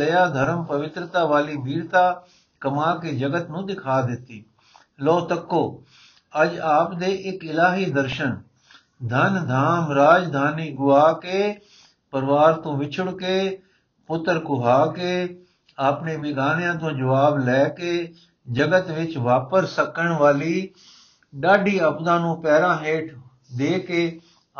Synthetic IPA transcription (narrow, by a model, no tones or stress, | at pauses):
lɐjaːd̪ʱəɾəmpɐʋɪt̪ɾət̪aːʋaːlibʱiːɾt̪aː | kɐmaːkeːd͡ʒəɡət̪nũːd̪ɪkʰaːd̪ɪt̪iː | lɔːt̪əkːoː | ɐd͡ʒaːpd̪eːʔɪkɪlaːɦiːd̪əɾʃən | d̪ʱənd̪ʱaːmɾaːd͡ʒd̪ʱaːniːɡʊʋaːkeː | pəɾʋaːɾt̪õːʋɪt͡ʃʰʊɽkeː | pʊt̪ːəɾkʊɦaːkeː | aːpneːmɪɡaːnjãːt̪õːd͡ʒəʋaːblɛːkeː | d͡ʒəɡət̪ʋɪt͡ʃʋaːpəssəkəɳʋaːliː | ɖaːɖiːəpd̪ãːnũːpɛːɾãːɦeːʈʰ | d̪eːkeː